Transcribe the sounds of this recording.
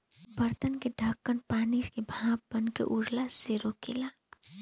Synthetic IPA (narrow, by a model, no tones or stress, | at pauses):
bəɾt̪ənkeɖʱɐkːənpaːniskebʱãːp̚bɐnkḛʔʊɾlaseɾokela